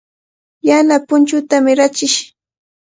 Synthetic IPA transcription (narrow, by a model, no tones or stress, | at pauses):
janapʊnt͡ʃʊt̪amɪɾat͡ʃɪʃ